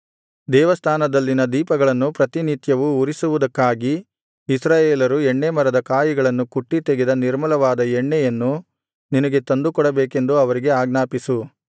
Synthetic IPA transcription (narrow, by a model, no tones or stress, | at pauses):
d̪ɛːʋɐst̪ʰaːnɐd̪ɐlːinɐd̪iːpɐɡɐɭɐnːupɾɐt̪init̪jɐʋuuɾisuʋud̪ɐkːaːɡiː | sɾaːjeːlɐɾuɛɳːemɐɾɐd̪ɐkaːjiɡɐɭɐnːukuʈːit̪e̞ɡed̪ɐniɾmɐlɐʋaːd̪ɐɛɳːɛjɐnːu | ninɐɡe̞t̪ɐnd̪ukɔɽɐbeːke̞nd̪uɐʋɐɾiɡeaːɡnaːpisu